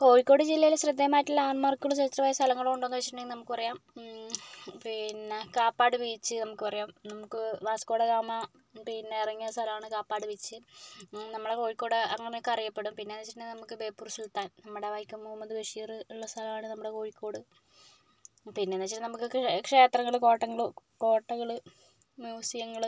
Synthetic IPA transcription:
ko̞ːɻikʲːo̞ːɽɨd͡ʑilːɐjilɕrɨd̪ːɐmaːjtːilːaːɳmɐrkʲːuɭːsɐt̪ːrɐʋaːjɐst̪ʰɐlɐŋːɐɭumːuɳɖonːuʋet͡ɕːitʈːuɳːniːɨnɐmukːɨpɐrɐjaːm | pinːekaːpːaːɽɨʋijt͡ɕːɨnɐmukːɨpɐrɐjaːmnɐmukːɨʋaːskoːɽed̪aːmɐ | pinːeiriŋːɐst̪ʰɐlɐmaːɳɨkaːpːaːɽɨʋit͡ɕːɨ | nɐmːɐɽeko̞ːɻikːo̞ːɽɐŋːɐneokːɐrijɐpːe̞ɽumpinːenːɐt͡ɕːiʈnːenɐmukːɨbe̞ːpːuːrsilt̪ːaːnnɐmːɐɽeʋaːjikʲːumːoːmɐðɨʋeʂiːrɨiɭːɐst̪ʰɐlɐmaːɳɨnɐmːuɽeko̞ːɻikʲːo̞ːɽɨ | pinːenːɐt͡ɕːitnnɐmukːɨkʂe̞ːt̪rɐŋːɐɭɨko̞ːʈːɐŋːɐɭɨ | ko̞ːʈːɐŋːɐɭɨ | mjuːsijɐŋːɐɭ

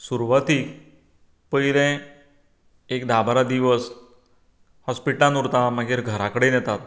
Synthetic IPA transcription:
suɾʋət̪ik | pəjɾɛ̃ | ekd̪abaɾad̪iʋəs | hɔspiʈlanuɾt̪amaɡiːɾɡʱəɾakəɽenjɛt̪at̪̚

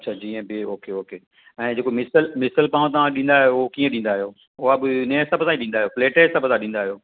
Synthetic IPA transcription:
tːʃʰaːd͡ʑiːə̃bɪoːkeoːkeː | ɛ̃ːd͡ʑeːkomɪsəlmɪsəlpãːt̪̬ɐʋãɗĩn̆d̪aːɦɪjookiːə̃ɗĩːn̆d̪aːɦɪjoː | ʊɦaɐbɪnesɐbʱsãiɗĩːnd̪aːɦijoːfleːʈeːsɐbʱsãɗĩːnd̪aːɦijoː

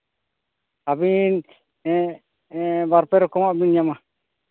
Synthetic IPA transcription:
abin | baɾpɛɾɔkɔmaʔbinjama

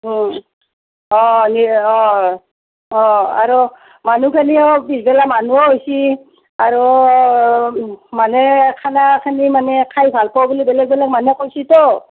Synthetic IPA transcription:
ɔniɔ | ɔa̰ɹu | manukʰaniɔbisbɛlamanuɔɦojsi | aɹu | manɛkʰanakʰanimanɛkʰajbʱalpɔwbulibɛlɛk̚bɛlɛk̚manɛkojsitɔ

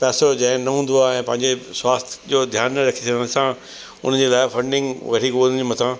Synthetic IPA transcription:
pɛːsod͡ʑɐ̃ɦɪ̃nɐɦũːn̆d̪oaːɦɛ̃ːpɐ̃ɦɪ̃ɲd͡ʑeswaːst̪ʰd͡ʑoːd̪ʱjaːnəɾɐkʰisʰɐə̃ñsã | ʊ̰n̤ə̃d͡ʑelaːɪfɐ̃ɳɖɪ̃ŋɡʋɐʈikod͡ʑimɐt̪ʰãː

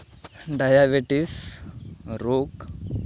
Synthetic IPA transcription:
ɖajabeʈis | ɾok

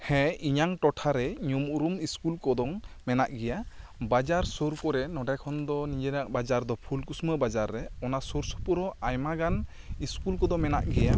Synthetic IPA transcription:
hɛiɲaŋʈɔʈʰaɾɛɲumuɾumiskulkɔd̪ɔŋmɛnaʔɡɛjabad͡ʒaɾsoɾkɔɾɛnɔɖajkʰɔnd̪ɔnid͡ʒɛnaʔbad͡ʒaɾd̪ɔpʰulkusməbad͡ʒaɾːɛɔnasɔɾsɔ̥puɾɔajmaɡan | iskulkɔd̪ɔŋmɛnaʔɡɛja

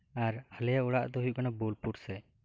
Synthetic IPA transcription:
aɾhəlɛjauɽaʔd̪ɔɦujuʔkanabolpuɽsɛ

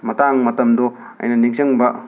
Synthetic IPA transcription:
mɐtaŋmɐtɐmdo | ɐ̰jnɐniŋt͡ʃɐŋbɐ

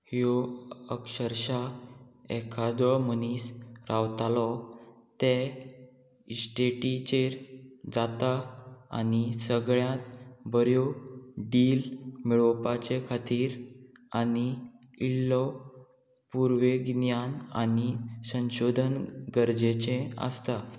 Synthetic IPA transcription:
hioəkɕəɾɕa | ɛkʰad̪ɔɭmənisɾawt̪alɔt̪e | sʈeʈit͡ɕeɾd͡zat̪aa̰nisəɡɭjãt̪bəɾjoɖilmiɭɔpat͡ɕekʰat̪iːɾani | illːɔ | puɾʋeɡnjana̰nisə̃nɕod̪ʱənɡəɾd͡ʑet͡ɕẽə̰st̪a

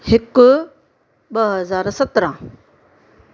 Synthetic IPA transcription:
hɪk | ɓɐɦɐzaːɾsɐt̪ɾãː

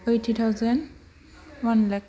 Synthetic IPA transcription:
ejtʰːut̪ʰawzɛn | wanlɛk

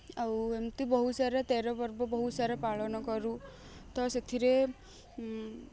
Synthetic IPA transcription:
awemt̪ibɔɦusaɾet̪eɾɔbɔɾbɔbɔɦusaɾɔpaɭɔnɔkɔɾu | t̪ɔset̪ʰiɾe

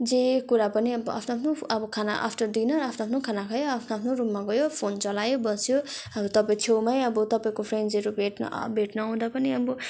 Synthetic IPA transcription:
d͡zekuɾapʌniʌbʌa̰pʰnoapʰnoʌbʌkʰana̰ʔa̰pʰʈʌrd̪inʌɾapʰnoapʰnokʰanakʰajoapʰnoapʰnorumːaɡʌjopʰont͡sʌlajobʌsjoʌbʌt̪ʌpaĩt̪ʰewmaj̃ʌbʌt̪ʌpaĩkopʰrenɖzʌɾubʱeʈnʌ̰bʱeʈnʌaw̃d̪apʌniʌbʌ

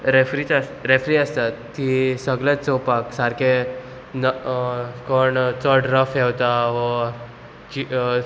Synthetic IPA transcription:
ɾefɾit͡sasɾefɾiəst̪at̪ːisəɡlat͡st͡sowpaksaɾke | n | koɳt͡sɔʈɾəfɛwt̪aʋə | t͡ɕi

